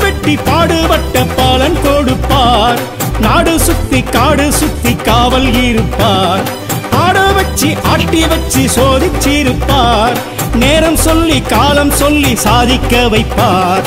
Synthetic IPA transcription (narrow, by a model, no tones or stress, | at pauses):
ʋɛʈːipaːɽɯʋɐʈːɐpːaːlɐnkoːɽɯpːaːɾ | naːɽɯsʊt̪ːikaːɽɯsʊt̪ːikːaːʋɐlɣɪɾɯpːaːɾ | paːɽɐʋɐt͡ʃːiʔaːʈːɪʋɐt͡ʃːisoːðɪt͡ʃːiɾɯpːaːɾ | neːɾɐmsɔlːikaːlɐmsɔlːisaːðɪkːɐʋɐɪpːaːɾ